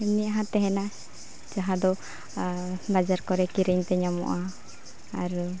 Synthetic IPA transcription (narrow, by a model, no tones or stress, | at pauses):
ɛmniaɦãt̪ɛɦɛna | d͡ʒaɦãd̪ɔ | bad͡ʒaɾkɔɾɛkiɾɛɲt̪ɛɲamɔ̰ʔaː | ɾ